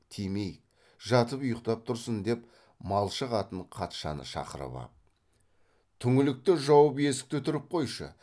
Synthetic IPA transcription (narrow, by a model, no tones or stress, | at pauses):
t̪ʰemej | ʒɑt̪əpʊjəqt̪ɑp̚t̪ʰʊɾsənd̪e̞p | mɑlˠʃəqɑt̪əɴqʰɑt̪ʃɑ̰nə̰ʃɑ̰qəɾə̰βɑ̰ | t̪ʰʏŋɪlɪk̚t̪ɪʒɑwəp̬je̞sɪ̥k̚t̪ʏt̪ʏɾɪp̚qʰo̞jʃə̰